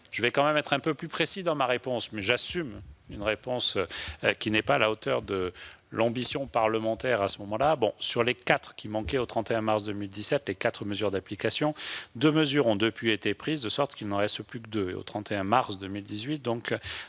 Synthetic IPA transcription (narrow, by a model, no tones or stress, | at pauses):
ʒ̥əvɛkɑ̃mɛmɛt̪χɛ̃pøplypχesid̪ɑ̃maʁepɔ̃smɛʒasymynʁepɔ̃skʲinɛpaalaot̪œʁd̪ə | lʔɑ̃bisjɔ̃paʁləmɑ̃t̪ɛʁasəmɔmɑ̃labɔ̰̃syʁlekat̪χəkʲimɑ̃kɛot̪χɑ̃t̪eɛ̃maʁsd̪əmild̪isɛt̪lekat̪χəməzyʁd̪aplikasjɔ̃d̪øməzyʁɔ̃d̪əpɥiet̪epχizd̪əsɔʁt̪kilnɑ̃ʁɛst̪əplykəd̪øḛo̰t̪χɑ̃t̪eɛ̃maʁsd̪əmild̪izɥit̪̚d̪ɔ̃k